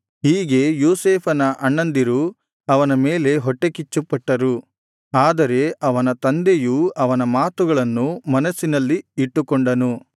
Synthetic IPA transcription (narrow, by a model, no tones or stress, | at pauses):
ɦiːɡe̞juːseːpʰɐnɐʔɐɳːɐnd̪iɾu | ɐʋɐnɐme̞ːle̞ɦɔʈːe̞kit͡ʃːupːɐʈːɐɾu | aːd̪ɐɾe̞ʔɐʋɐnɐt̪ɐnd̪ejuɐʋɐnɐmaːt̪uɡɐɭɐnːumɐnɐsːinɐlːiiʈːukoɔɳɖɐnu